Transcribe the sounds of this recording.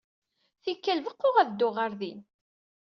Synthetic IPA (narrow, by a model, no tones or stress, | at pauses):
θikːælvəqːoʁæðd̪ːʊʁəɾðin